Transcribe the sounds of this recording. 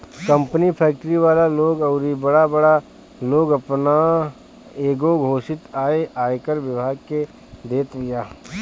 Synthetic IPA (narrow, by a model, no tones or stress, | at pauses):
kə̃mpnipʰɛːk̚ʈɾiʋaːlaloːɡɐʊɾibɐɽabɐɽa | loːɡɐpna | eːɡoɡʱoːʃɪt̪aːeʔaːekəɾʋɪbʱaːɡ̚ke | d̪eːt̪ʋɪjaː